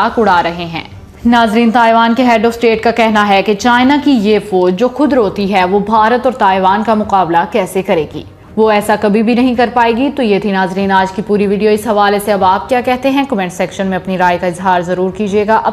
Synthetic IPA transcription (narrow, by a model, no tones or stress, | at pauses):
kʊɽaːɾɐɦeɦɛ̰̃ː | naːzɾiːnt̪aːjʋaːnkeɦɛːɖɔːfsʈeːʈ̚kakɛɦnaɦɛket͡ʃaːɪnakijefoːd͡ʒoːxʊd̪ɾɦoːt̪iɦɛʋobʱaːɾət̪ɔːɾt̪aːɪʋaːnkamʊqaːblakɛːsekɐɾeːɡḭː | ʋoɛːsakɐbʱibʱinɐɦĩkɐɾpaːeːɡit̪ojeːt̪ʰinaːzɾiːnaːd͡ʒkipuːɾiʋiːɖijoɪsɦɐʋaːleseɐbaːp̚kjaːkɛɦt̪eɦɛ̃kɐmɛ̃ɳʈsɛkʃənmẽɐpniɾaːjkaɪzɦaːɾzɐɾuːɾkiːd͡ʒieːɡaʔɐ